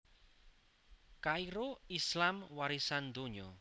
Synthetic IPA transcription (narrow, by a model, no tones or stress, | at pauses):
kaiɾoislamwaɾisand̪oɲɔ